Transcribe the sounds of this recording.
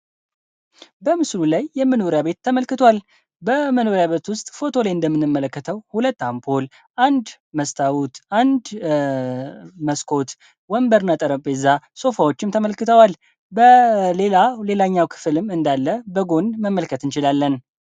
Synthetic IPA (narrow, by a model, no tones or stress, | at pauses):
bəmɨslulajːɛmːɨnoɾjaβe̞t̪ʰːəməlkɨt̪ʰwal | bəməno̞ɾjaβet̪wʊst̪ʼfo̞t̪ʰo̞lajɨnd̪əmːɨnɨmːələkːət̪ʰəwhulət̪ːampʰo̞l | ʔand̪ | məst̪ʰawut̪ʔand̪ | məskʰo̞t̪ | wɔmbəɾnat̪ʼəɾəpʼɛzːaso̞fawo̞t͡ʃːɪmt̪ʰəməlkɨt̪ʰəwal | bəle̞lale̞laɲːawkʰɨ̥fɨlɨmɨnd̪alːəbəɡo̞nməmːəlkʰət̪ɨnt͡ʃɪlalːən